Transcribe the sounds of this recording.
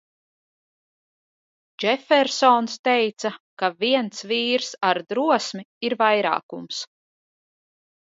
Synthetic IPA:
d͡ʒɛfɛɾsɔnst̪ɛjt̪sakaviɛnsviːɾsaɾd̪ɾuɔsmiiɾvajɾa̰ːkums

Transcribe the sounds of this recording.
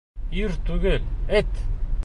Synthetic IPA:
iɾt̪uɣelet̪

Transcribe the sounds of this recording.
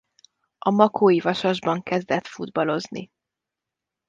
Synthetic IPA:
ɒmɒkʰoːivɒʃɒʒbɒŋkɛzd̪ɛt̪fud̪bɒlo̞znḭ

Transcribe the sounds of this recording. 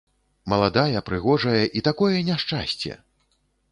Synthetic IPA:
mɐlˠad̪ajɐpɾɨɣɔʐɐjɐʔit̪akɔjɛnʲaʂt͡ʂa̰sʲt͡sʲɛ̰

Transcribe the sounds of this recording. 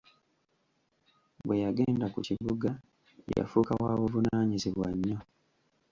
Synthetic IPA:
βwe̞jaɡe̞ːndakuciβuɡa | ja̰fukawaːβuvunaːɲiziβwaɲːo̞

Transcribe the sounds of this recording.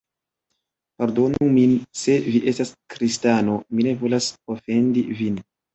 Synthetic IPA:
paɾdo̞numinse̞viʔe̞staskɾistano̞mine̞vo̞lasofe̞ndivin

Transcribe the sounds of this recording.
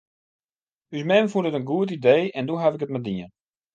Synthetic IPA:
ysmɛnfudətənɡuət̬idejɛnduɦavɪkət̚madiən

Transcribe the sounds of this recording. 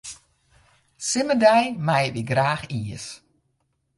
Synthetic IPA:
sɪmədɛjmajʋiɡraːxiəs

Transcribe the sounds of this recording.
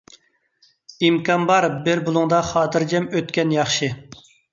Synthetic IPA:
imkʰɑnbɑɾbɪɾbulˠuŋd̪ɑχɑːt̪ʰɨɾd͡ʒɛmøt̪kʲɛnjɑχʃɨ

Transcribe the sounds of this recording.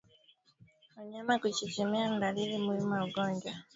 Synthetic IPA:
aɲamakut͡ʃit͡ʃɛmiandalilimuimauɡɔːɲd͡ʒwa

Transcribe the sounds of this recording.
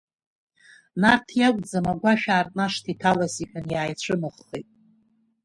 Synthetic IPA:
nartʰjakʷʼd͡zamaɡʷaʃᶣaːrtʼnaʂtʰitʰalasiħʲʼanjaːjt͡ɕʷʰɨnɨχːejtʼ

